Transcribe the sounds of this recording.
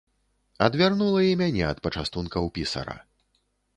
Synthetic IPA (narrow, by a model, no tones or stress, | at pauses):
ɐd̪vʲarnulˠɐjɛmʲanʲɛɐt̪̚pɐt͡ʂast̪unkɐwpʲisɐ̰ɾɐ̰